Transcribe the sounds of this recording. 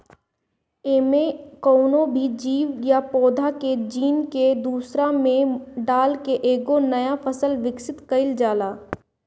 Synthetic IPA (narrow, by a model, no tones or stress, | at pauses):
eːmekɔːnobʱid͡ʒiːʋjapɔːd̪ʱaked͡ʒiːnked̪uːsɾamẽɖaːlkeʔeːɡonɐjafəsəlʋɪksɪt̪kəɪld͡ʒaːlaː